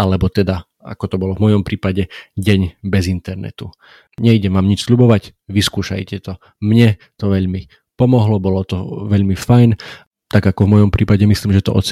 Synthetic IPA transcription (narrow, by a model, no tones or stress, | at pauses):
alɛbɔt̪ɛd̪a | a̰kɔt̪ɔbɔlɔvmɔjɔmpɾiːpaɟɛɟɛɲbɛzint̪ɛɾnɛ̰t̪u | ɲɛiɟɛmaːmɲit͡ʃsʎubɔʋaɟ | ʋiskuːʃa̰jcɛt̪ɔ | mɲɛ | t̪ɔʋɛʎmi | pɔmɔɦlɔbɔlɔt̪ɔʋɛʎmifajn | t̪aɡakɔvmɔjɔmpɾʔiːpaɟɛmisliːmʒɛt̪ɔʔɔ̰t͡s